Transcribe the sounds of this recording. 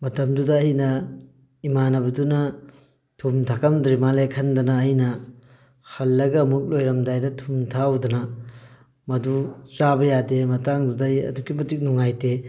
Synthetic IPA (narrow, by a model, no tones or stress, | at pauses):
mɐtɐmdudɐːjnɐ | imanɐbɐdunɐ | tʰumtʰakɐmdɾimalekʰɐndɐnɐːjnɐ | hɐlːɐɡɐːmuk̚lojɾɐmdajdɐtʰumtʰawdɐnɐ | mɐdut͡ʃabɐjademɐtaŋdudɐjɐ̰dukːimɐtik̚nuŋajte